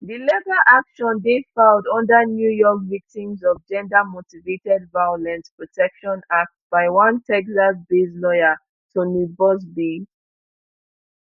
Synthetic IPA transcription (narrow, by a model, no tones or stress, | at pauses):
dilɛtaʔakʃɔ̃ndefaldɔ̃ndənjujɔkvik̚tĩmzɔvd͡ʒɛ̃ndəmotivetɛdvajɔlɛ̃nspɹɔtʰɛkʃɔ̃nak̚t̚b̥aɪwãntʰɛksasbeslɔjə | tʰunubɔs̬bi